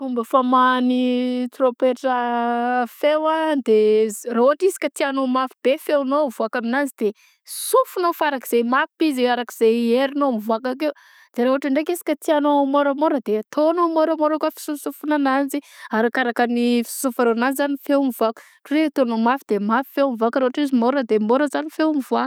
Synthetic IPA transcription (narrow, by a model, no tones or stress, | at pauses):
fumbəfamanit̪ɾopeʈ͡ʂə | fewad̪erauɦaʈ͡ʂizi̥kʲat̪ianomafibefewnovuakaminazid̪̥e | isufunofaɾaki̥z̥ejmafpiziaɾakiz̥ejeɾinomivuakak̬ew | d̪̥eɾauɦaʈ͡ʂaɳɖ͡ʐek̬isi̥kʲət̪ianomoɾəmoɾəd̪eat̪ʰonomoɾəmoɾəkafi̥susufunanaziaɾakaɾakanifi̥u̥sufaɾonazizanifewmivaku̥ | ʈ͡ʂuwet̪onomafid̪̥emafi̥fewmivakɾouaʈ͡ʂizimoɾəd̪emoɾəzanifewmivua